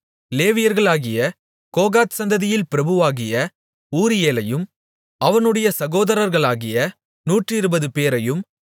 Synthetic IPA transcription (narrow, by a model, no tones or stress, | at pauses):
leːʋɪjɐɾɣɐɭaːɣɪjɐ | koːɣaːt̪sɐnd̪ɐðɪjɪlpɪɾɐbɯʋaːɣɪjɐ | uːɾɪjeːlɐjɯm | ɐʋɐnɯɽɐjɐsɐɣoːðɐɾɐɾɣɐɭaːɣɪjɐ | nuːʈrɪɾɯbɐðɯpeːɾɐjɯm